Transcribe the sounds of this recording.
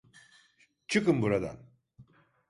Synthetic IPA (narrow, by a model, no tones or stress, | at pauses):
t͡ʃʰɯkɯmbuɾad̪a̰n